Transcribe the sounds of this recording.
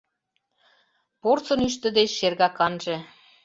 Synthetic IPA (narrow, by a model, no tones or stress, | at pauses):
port͡sɤ̆nyʃt̪ə̆d̪et͡ɕʃerɣɑkɑnʒĕ